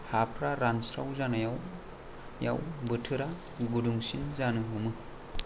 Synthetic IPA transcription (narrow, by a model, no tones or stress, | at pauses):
hapʰɾaɾansɾawzanajaw | ja̰wbɯtʰɯɾa | ɡuduŋsinzanɯɦumɯ